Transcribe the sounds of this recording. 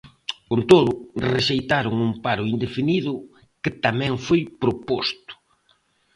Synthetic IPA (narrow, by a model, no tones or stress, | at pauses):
kont̪oðʊreʃejt̪aɾʊŋumpaɾʊind̪efiniðʊ | kɪt̪amɛ̃ŋfojpɾopost̪ʊ̥